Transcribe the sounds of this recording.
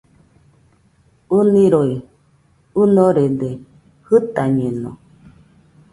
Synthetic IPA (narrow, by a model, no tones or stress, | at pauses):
unĩɾoi | unoɾed̪e | hɨt̪aɲẽnõ̰